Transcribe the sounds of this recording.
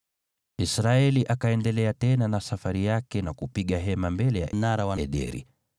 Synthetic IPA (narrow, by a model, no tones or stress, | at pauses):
isɾaɛliʔakaɛndɛlɛatɛnanasafaɾijakɛnakupiɠaɦɛmambɛlɛja̰ʔnaɾawaɛɗɛ̰ɾḭ